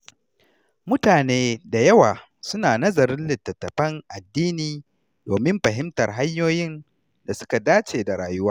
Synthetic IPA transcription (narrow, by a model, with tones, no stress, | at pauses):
mʊ˦taː˨neː˦da˨jɐ˦waː˨ | sʊ˦naː˨nɐ˦zɐ˨ɾɪ˦nlɪ˨tːɐ˨tːɐ˨ɸɐ˦ŋʔa˨dːiː˦niː˨ | do̰ː˨mɪ˦mɸɐ˨ɦɪ˦mtɐ˨rɦa˦ɲːoː˦jɪ˦n | da˨sʊ˦ka˨daː˦t͡ʃeː˨da˨ɾaː˨jʊ˦waː˦